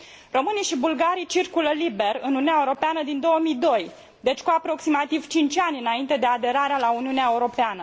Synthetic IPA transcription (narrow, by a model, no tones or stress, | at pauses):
ro̞mɨnijʃibulɡaɾijt͡ʃirkuləlibe̞rɨnununeaeuɾo̞peanəd̪ind̪o̞wəmijd̪o̞j | d̪e̞t͡ʃʲkuapɾo̞ksimat̪iv̥t͡ʃint͡ʃʲanʲɨnaint̪e̞d̪e̞ad̪e̞ɾaɾealauniuneaeuɾo̞peanə